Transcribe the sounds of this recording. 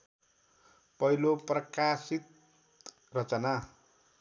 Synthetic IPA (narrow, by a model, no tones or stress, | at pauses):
pʌiloprʌkasit̪̚ | rʌt͡sʌna